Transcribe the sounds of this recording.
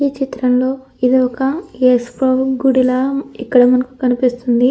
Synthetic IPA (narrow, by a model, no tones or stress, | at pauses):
iːt͡ʃit̪ɾɐmlo̞ː | id̪iɔkɐespɐɡuɽilaikːɐɽɐmɐnɐku̥kɐnipist̪und̪i